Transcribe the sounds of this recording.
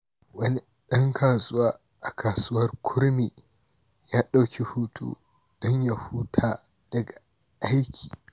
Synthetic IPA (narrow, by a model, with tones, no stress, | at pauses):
wɐ˦ni˦ | ɗɐ˦ŋkʰaː˨sʊ˦waː˦ | ʔa˨kʰaː˨suː˦wɐ˦rkʷʰʊ˦ɾmiː˨ | jaː˦ɗa˦wkʲi˦hu˦tʰṵː˦ | dɔ˦ɲja˨hu˦tʰaː˦ | d̥ɐ˨ɡa˨ | ʔa˦jkʲʰiː˨